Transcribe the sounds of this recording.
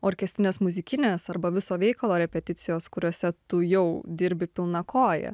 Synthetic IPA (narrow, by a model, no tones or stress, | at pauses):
oːɾʲkʲɛsʲt̪ʲɪnʲeːsmʊzʲɪkʲɪnʲeːsɐɾbɐʋʲɪsoːʋʲɛɪkɐlˠoːɾʲɛpʲɛt̪ʲɪt̪sʲɪjoːskʊɾʲoːsʲɛt̪ʊjɛʊd̪ʲɪɾʲbʲɪpʲɪlˠnɐkʰoːjɛ̰